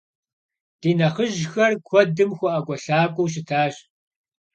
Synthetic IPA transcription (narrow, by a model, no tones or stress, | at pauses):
d̥iːnɐχəʒxɐrkʷʰɔdɨmxʷɔʔɐɡʷɔɬaːkʷʼɔwɕ̬ɪtʰaːɕ